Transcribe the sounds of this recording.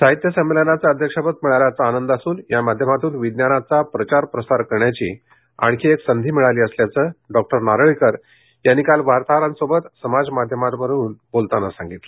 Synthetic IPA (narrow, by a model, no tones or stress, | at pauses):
saɦit̪jəsəmːelənat͡saəd̪ʱjəkʂapət̪̚miɭaljat͡saːnənd̪asuːnjamad̪ʱjəmat̪uːnʋid̪njanat͡sapɾət͡ɕaɾpɾəsaɾkəɾɳjat͡ɕḭː | a̰ɳ̃kʰiːeksənd̪ʱiːmiɭaliːəsljat͡səːɖɔk̚ʈəɾnaɾɭikəɾ | janːikalʋaɾt̪aɾansobət̪səmad͡zmad̪ʱjəmat̪ʋəɾuːnbolt̪anasãŋɡit̪lə